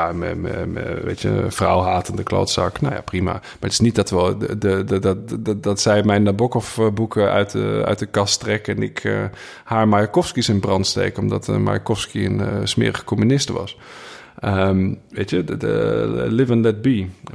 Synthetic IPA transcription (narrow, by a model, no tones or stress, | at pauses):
jamə̰mə̰ə̰ʋḛːtjə̰fra̰wɦaːtəndəklo̰ːtsa̰knoja̰prima̰maətɪ̥snit̚dɔtʋəlˠdədddɔtsɛjmɛjnːabɔkɔfbukʰəœ̰ɥtəœ̰ɥt̚dəkastrɛkɛnɪ̰kʰə | haːɹmajakɔfskisɪnbrɑntstḛːkɔmdɔtʰma̰jakɔfskiə̰nsmɪ̰ːəɣə̥kʰomynɪstʋɔ̰s | əmʋeːtjəəlɪvənlɛt̚bi